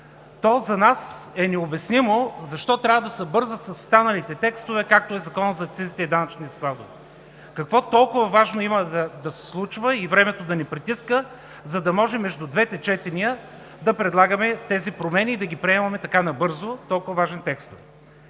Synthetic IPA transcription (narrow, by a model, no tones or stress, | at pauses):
t̪ɔzɐnasɛnɛobɛsnimozɐʃt̪ɔt̪ɾʲavəd̪ɐsəbɤɾzəsɐsʊ̥st̪anɐlit̪ɛt̪ɛkst̪ovɛkak̚t̪oɛzɐkɔnəzɐːk̚t̪sizit̪ɛid̪anɐt͡ʃniɐsklˠad̪ovɛ | kɐkvɔt̪ɔlˠkʊvɐvaʒnoiməd̪ɐd̪ɐsɛ̥slˠut͡ʃvəivɾɛmɛt̪od̪ɐnɛpɾit̪iskə | zɐd̪ɐmɔʒɛmːɛʒd̪ud̪vɛt̪ɛt͡ʃɛt̪ɛniə | d̪ɐpɾɛd̪lˠaɡəmɛt̪ɛzipɾomɛniːd̪ɐɡʲipɾiɛmɐmɛt̪ɐkanɐbɤɾzot̪ɔlˠkʊvɐvaʒɛnt̪ɛkst̪ovɛ